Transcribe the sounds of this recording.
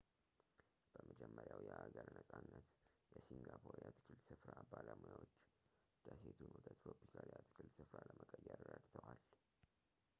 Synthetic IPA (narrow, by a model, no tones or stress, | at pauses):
b̥əməd͡ʒɛmːəɾjawjɛʔaɡəɾnəsʼanːət̪jɛsiŋɡapʰoɾjat̪ʰɨ̥kʰɨlsɨfɾabaləmujawot͡ʃː | d̪̥aset̪ʰunwɔd̪ət̪kopʰːikʰaljat̪ʰɨ̥kʰɨlsɨfɾaləməkʼəjːɛɾrəd̪t̪ʰəwal